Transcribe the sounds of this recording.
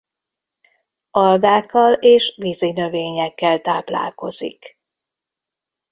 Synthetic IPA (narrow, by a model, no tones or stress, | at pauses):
ɒld̪aːkːɒleːʃvizinø̞veːɲɛkːɛlt̪aːpla̰ːlko̞zḭk